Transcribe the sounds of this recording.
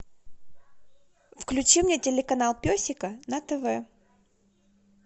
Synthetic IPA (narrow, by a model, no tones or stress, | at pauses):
fklʲʉt͡ɕimnʲetʲɪlʲɪkɐnalˠpʲosʲɪkənɐt̪ɛvɛ